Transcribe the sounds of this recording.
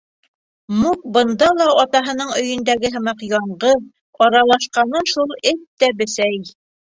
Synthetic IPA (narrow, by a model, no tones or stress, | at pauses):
muq̚bɤ̆nd̪ɑlˠɑɑt̪ɑɦɤ̆nɤɴɵ̆jɵ̆nd̪æɡɘɦɤ̆mɑqjɑɴɢɤð | ɑɾɑlˠɑʃqɑnɤʃulˠɘt̪ːæbɘ̆sæj